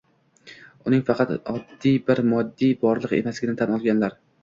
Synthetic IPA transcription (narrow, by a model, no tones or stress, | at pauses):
ʊnɪŋfɑqʰɑt̪ɒd̪ːijbɪɾmɒd̪ːijbɒɾlˠɨqḛmaslɪɡʲɪnɪt̪ʰanɒlˠɡʲanlaɾ